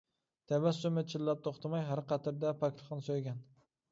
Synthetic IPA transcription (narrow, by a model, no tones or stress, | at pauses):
t̪ʰæbæsumɪt͡ʃʰɪlːæp̚t̪ʰoχt̪ʰɑmɑjɦæɾqɑt̪ʰɨɾd̪ɛpʰækʲt̪ʰˠχɨnɨsojɡʲɛn